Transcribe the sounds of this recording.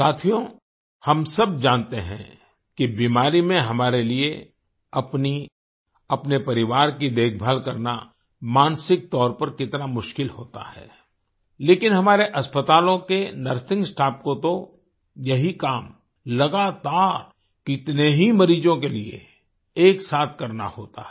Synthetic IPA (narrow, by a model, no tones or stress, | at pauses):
saːt̪ʰijõ | hɐmsɐb̚d͡ʒãːnt̪eɦɛ̰̃ | kibiːmaːɾimẽɦɐmaːɾelie | ɐpni | ɐpnepɐɾɪʋaːɾkid̪eːkʰbʱəlkɐɾna̰ | maːnsɪk̚t̪ɔːɾpɐɾkɪt̪namʊʃkɪlɦoːt̪a̰ɦɛ̰ː | leːkɪnɦɐmaːɾeʔɐspət̪aːlõkenɐɾsɪ̃ŋɡsʈaːp̚kot̪o | jɐɦikaːm | lɐɡaːt̪aːɾ | kɪt̪neɦimɐɾiːd͡ʒõkeliḛ | eːksaːt̪ʰkɐɾna̰hoːt̪a̰ɦɛ